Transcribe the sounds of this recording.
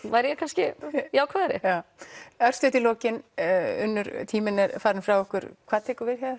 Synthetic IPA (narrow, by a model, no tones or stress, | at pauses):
vajɾjɛkʰanscɪjaːwkʰvaːðɛɾjɛ̰aœɾ̥st̪ʏht̪ɪlɔːcɪnʏ̰nːʏɾt̪ʰiːmɪnɛɾfaːɾɪnfɾawɔhkʏɾ̥kʰv̥aːðt̪ʰɛːkʏɾvɪɾ̥çaðʏɾ